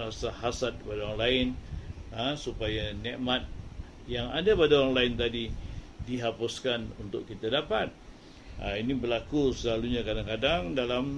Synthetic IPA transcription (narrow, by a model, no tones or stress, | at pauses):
ɾasaɦasat̪̚badaoɾaŋlaɪnasupajanɛʔmat̪̚ | jaŋadabadaoɾaŋlaɪnt̪adidiɦapʊskanunt̪ʊkkːit̪adapat̪̚ | a̰inibəlakusəlaluɲakadaŋkadaŋdalam